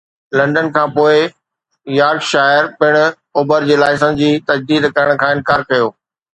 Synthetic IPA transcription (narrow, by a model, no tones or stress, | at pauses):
lɐ̃ɳɖənkʰãːpoːɪ | jaːɾɡʃaːɪəɾpɪɽ̃ʊ̆ | oːbəɾd͡ʑeːlaːɪs̬ə̃d͡ʑiːt̪ɐd͡ʑd̪iːd̪kɐɾəɽ̃kʰãːɪnkaːɾkɐjoː